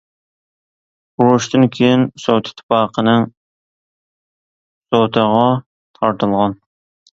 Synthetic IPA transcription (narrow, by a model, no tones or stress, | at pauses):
uɾuʃt̪ɨnkʲʰejɪnsowt̪ʰɪ̥t̪ʰːɪ̥pɑːqʰənɨŋ | sowt̪ʰəʁɑ | t̪ʰɑɾt̪ʰɨlˠʁɑn